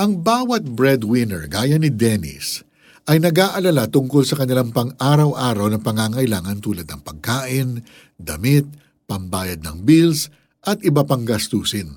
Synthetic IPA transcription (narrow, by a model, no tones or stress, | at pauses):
ʔɐŋbaːwɐt̪̚bɹɛd̪wɪnɛ̰ɹɡaːjɐnɪd̪ɛnɪ̰s | ʔɐjnɐɡaːʔɐlɐlat̪ʊŋkolsɐkɐnɪlaŋpɐŋaːɾɐwʔaːɾɐwnɐpɐŋaːŋɐʔɪlaːŋɐnt̪uːlɐd̪nɐŋpɐɡ̚kaːʔɪn | d̪ɐmɪt̪̚ | pɐmbaːjɐd̪̚nɐ̰ŋbils | ʔɐt̪̚ʔɪbɐpaŋɡɐst̪uːsɪn